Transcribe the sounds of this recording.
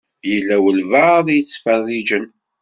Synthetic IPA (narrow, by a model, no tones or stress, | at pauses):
jəlːæwəlvəðjət͡sːfərːid͡ʒən